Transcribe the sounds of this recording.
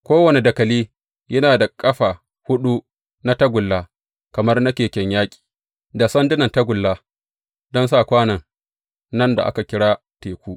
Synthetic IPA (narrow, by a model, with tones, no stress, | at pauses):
kʷoː˦wɐ˨ne˨dɐ˨kɐ˨liː˦ | jʔɐ˦naː˨da˨kʼɐ˦ɸaː˨ | hʊ˦ɗu˦ | na˦tɐ˦ɡʷʊ˨lːaː˦ | kɐ˨mɐ˦rna˦kʲeː˨kʲɛ˦ɲjaː˦kʲʼi̥ː˨ | da˨sɐ˦ndɪ˦nɐ˨ntɐ˦ɡʷʊ˨lːaː˦ | dɔ˦nsa˦˨kʷaː˦nɐ˨ŋ | nɐ˦nda̰˨ʔa˦ka˨kʲɪ˦ɽaː˦ | teː˨kʷuː˦ʔ